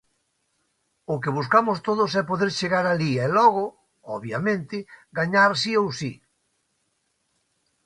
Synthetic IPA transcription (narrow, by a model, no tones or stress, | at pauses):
ʊkɪβ̞us̬kamʊst̪oðʊsɛpoðeɾʃeɣaɾaliɛlɔɣ̞ʊ | ɔβjamẽnt̪ɪɡaɲaɾsiowsi